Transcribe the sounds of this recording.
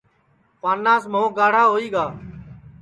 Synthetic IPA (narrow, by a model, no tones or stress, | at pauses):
paːnːãːsmõːɡaːɽ̤aːɦoːiːɡaː